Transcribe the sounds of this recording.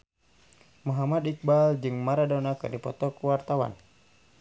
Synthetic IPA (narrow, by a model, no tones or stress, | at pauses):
mɔɦamad̪ik̚bald͡ʒɨŋmaɾadɔnakɨ̰rdipɔt̪ɔkuwart̪awa̰n